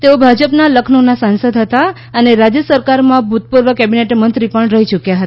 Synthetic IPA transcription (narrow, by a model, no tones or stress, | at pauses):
t̪eobʱad͡ʒəpnaləkʰnonasãnsəd̪ʱɦət̪a | əneɾad͡ʒjəsəɾkaɾmãbʱut̪̚puɾʋəkɛbineʈmənt̪ɾipəɳɾəɦit͡ʃukjaɦət̪a